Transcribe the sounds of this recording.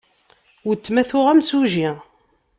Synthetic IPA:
wət͡sːmæθʊʁæmsuʒi

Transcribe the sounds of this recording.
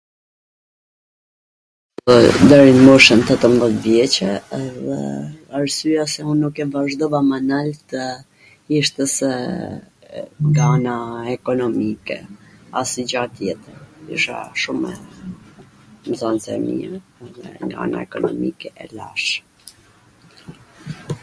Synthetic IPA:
pɔd̪ɛɾinmɔʃənt̪ɛt̪əmðɛt̪vjɛt͡ɕɛɛðɛ̰aɾsyasɛunːukɛvaʒd̪ɔvamanalt̪ə | iʃt̪ɛsɛ | ŋɡaanaɛkɔnɔmikɛ̰asid͡ʑat̪jɛt̪əɾḭʃa̰ʃumɛ | mzansɛ̰mḭɛɛðɛ̰ŋɡaa̰na̰ɛkɔnɔ̰mikɛʔɛla̰ʃ

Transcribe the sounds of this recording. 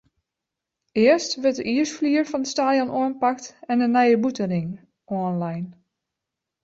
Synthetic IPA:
ɪəɹstʋətəʔiəsfliərfɑndəstaːdjɔnʔoənpaktɛnənɛjəbutərɪŋ | ɔənlajn

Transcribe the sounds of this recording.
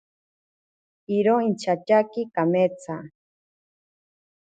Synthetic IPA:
iɾoint͡ʃat͡ʃakikamet͡sʰa

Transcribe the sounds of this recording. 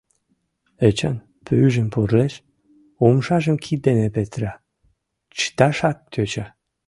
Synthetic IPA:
et͡ɕɑn | pʰøyʒəmporleʃ | omʃɑʒəmkʰienepet̪ɾɑ | t͡ɕt̪ɑʃɑkːøt͡ɕɑ

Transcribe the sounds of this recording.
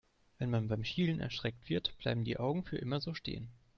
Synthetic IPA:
v̥ɛnmanbaɪmʃiːlənʔɛ̰ɐʃʁ̥ɛk̚tv̥ɪɐtb̥la̰ɪbm̩dḭːʔaʊɡŋ̩fyːɐʔɪmɐzoːʃtḛːən

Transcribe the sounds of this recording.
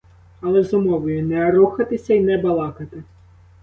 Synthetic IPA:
ɐlˠɛzɔmɔʋɔjʊnɛɐɾuxɐt̪ɪsʲɐinɛbɐlˠɑkɐt̪ɪ

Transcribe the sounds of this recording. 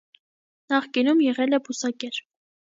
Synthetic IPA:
nɑχkinumjɛʁɛlɛbusɑkɛɾ

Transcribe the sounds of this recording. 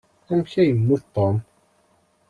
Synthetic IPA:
æmçæjəmːuθt̪ˤːom

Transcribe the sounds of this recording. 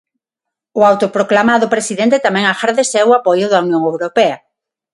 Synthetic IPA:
ʊawt̪opɾoklamaðʊpɾesiðɛ̃nt̪et̪amɛ̃ŋaxaɾðesɛwapojʊðɐunjõŋewɾopɛɐ

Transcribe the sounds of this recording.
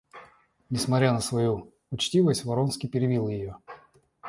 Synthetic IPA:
nʲɪsmɐt̪ʲɾʲanəsvɐju | ʊt͡ɕtʲivəsʲtʲvɐɾonskʲijpʲɪɾʲɪvʲilˠjɪjo

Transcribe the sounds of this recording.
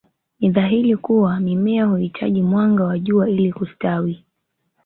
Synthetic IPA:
niðaɦiɾikuwamimɛahuhitʰa̰ʄimwaŋɡawaʄuailikustawi

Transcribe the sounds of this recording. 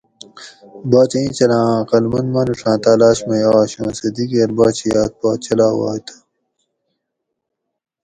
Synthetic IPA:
baːt͡ɕɐĩt͡ɕɐlãːqɐlmɐnmɐnuʂãːt̪aːlaːɕmɐjaːɕõːsɐd̪iɡeːɾbaːt͡ɕʰijaːt̪̚baːt͡ɕʰɐlaːwa̰ːt̪ʰɐ̥

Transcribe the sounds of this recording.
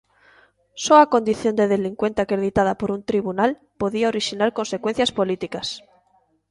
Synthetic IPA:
soako̞nd̪iθjo̞nd̪e̞ð̞e̞liŋkwe̞nt̪eakɾe̞ðit̪að̞apo̞ɾunt̪ɾiβ̞unal | po̞ðiaoɾiʃinaɾko̞nse̞kwen̟θjaspo̞lit̪ikas

